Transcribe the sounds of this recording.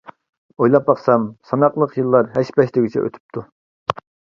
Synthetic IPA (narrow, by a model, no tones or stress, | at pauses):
ojlˠɑp̚bɑqsɑmsɑnɑqlˠəqjɨlˠːɑɾɦæʃpɛʃt̪ɪɡʲit͡ʃʰɛ̰ʔø̰t̪ʰy̥p̚t̪ʰu